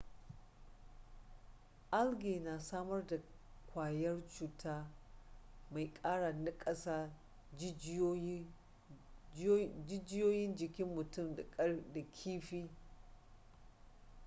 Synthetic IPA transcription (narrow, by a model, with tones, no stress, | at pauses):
ʔa˦lɡʲeː˨na˨saː˦mɐ˦rda˨ | kʷaː˨jɐ˦rt͡ʃuː˨tʰaː˦ | ma˨jkʼaː˦ɽa˨nɪ˦kʼɐ˦saː˦ | d͡ʒɪ˦d͡ʒɪ˦joː˦jɪ˦nd͡ʒɪ˨kʲɪ˦mːʊ˨tʊ˦˨m˨˦da˨kʲʰiː˦ɸiː˦